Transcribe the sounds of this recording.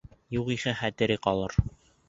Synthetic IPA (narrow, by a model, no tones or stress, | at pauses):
juʁihɘχæt̪ɘ̆ɾɘqɑlˠɤɾ